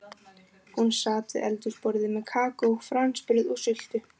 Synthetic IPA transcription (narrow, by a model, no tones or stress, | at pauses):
hunsaːt̪ɪɛ̰lt̪ʏspɔɾðɪmɛðkʰaːkofɾanspɾʏðusʏl̥t̪ʏ